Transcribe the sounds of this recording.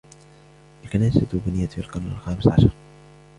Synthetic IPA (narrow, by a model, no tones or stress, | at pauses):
ʔalkanaːsat̪ubɪnɪjːafilqɑnna̰lxaːmɪsʕɑʃɑɾˤ